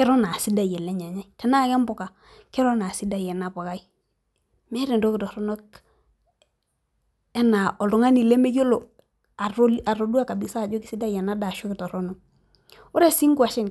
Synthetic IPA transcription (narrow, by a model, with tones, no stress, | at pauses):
kɛ˦ɾɔ˦na˨si˦da˦˨jɛ˨le˦ɲa˨ɲa˦i˨tɛ˨na˦˨kɛ˦mbɔ˨ka˨ | kɛ˦ɾo˦na˨si˦da˦˨jɛ˨na˨pɔ˨ka˦i˦ | mɛ˦ɾi˨n˨do˦kɪ˨tɔ˨ɾɔ˦no˦k | ɛ˦na˨ʔɔ˨lɔ˨ŋa˦ni˨le˦me˦jo˦lo˨ | a˨ɾa˨ɾo˨du˦a˦ka˨bi˨sa˦˨d͡ʒo˦kɪ˨si˦da˦jɛ˨na˦da˨ʃo˦kɪ˨tɔ˨ɾɔ˦nɔ˦ | ʊ˦ɾe˦si˦ŋku˦a˨ʃɪ˦n